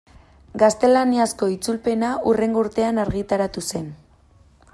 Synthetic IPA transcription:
ɡast̪e̞laniasko̞it͡sulpe̞naʔure̞ŋɡo̞uɾt̪e̞anaɾɣit̪aɾat̪use̞n

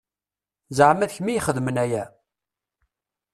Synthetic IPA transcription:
zəʕmæðçmijχəðmənæjæ

